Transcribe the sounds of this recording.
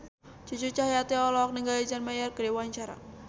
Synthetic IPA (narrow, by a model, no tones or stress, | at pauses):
t͡ʃut͡ʃut͡ʃahjat̪eɔlɔk̚nəŋɡaid͡ʒanmajarkədewaɲt͡ʃaɾa̰